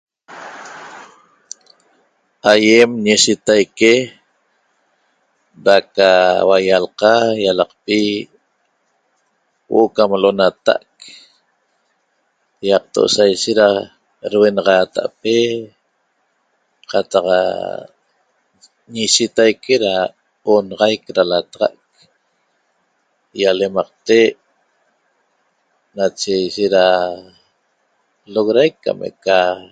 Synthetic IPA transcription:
ajemɲeʃit̪ajke | ɾakawajalqɑjalɑqpi | wʔoʔokamlo̞nat̪a̰ʔk | jɑq̚t̪o̰ʔsajʃeɾa | ɾwenɑʁɑːt̪a̰ʔpe | qɑt̪ɑqa̰ | ɲiʃit̪ajkʰeɾa | onɑʁɑjkɾalat̪ɑʁɑ̰ʔk̚ | jalemɑq̚t̪eʔ | nat͡ʃejʃeɾa | loɣɾajkːa̰mḛʔka

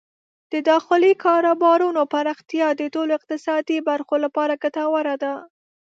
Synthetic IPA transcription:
d̪̥əd̪ɑxɪlikʰɑɾobɑɾunopaɾɑxt̪jɑd̪əʈoloɪq̚t̪ɪsɑd̪ibaɾxolapɑɾaɡat̪ɑwaɾad̪a

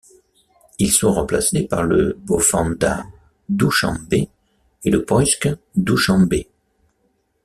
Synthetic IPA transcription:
ilsɔ̃ʁɑ̃plasepaʁlə̰bofɑ̃d̪a̰ | d̪uʃɑ̰̃be | eləpɔsk | d̪uʃɑ̃be

